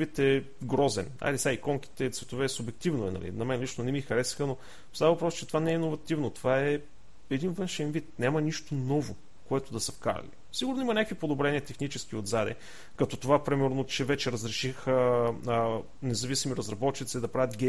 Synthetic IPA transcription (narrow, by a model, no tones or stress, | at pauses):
it̪ɛ | ɡɾɔzɛ̰na̰lʲisʲaikɔŋk̟i̥t̪ɛt̪svɛt̪ovɛsʊbɛk̚t̪ivnoɛnɐ̰lḭnɐmɛnlit͡ʃnonɛmixɐɾɛsi̥xəno | st̪avɐvɐpɾɔst͡ʃɛt̪ovanɛɛinovɐt̪ivnot̪ovaɛ | ɛd̪invɤnʃɛnvit̪nʲamɐniʃt̪onɔvo | koɛt̪ʊd̪ɐsɐfkaɾɐ̰lḭ | siɡʊɾnoimɐnʲakvipod̪obɾɛniət̪ɛxnit͡ʃɛskiod̪zad̪ɛ̰ | kɐt̪ɔt̪ovapɾimɛɾnot͡ʃɛvɛt͡ʃɛɾəzɾɛʃixə | nɛzɐvisimiɾɐzɾɐbɔt̪t͡ʃit̪sid̪ɐpɾavʲət̪ɡʲɛ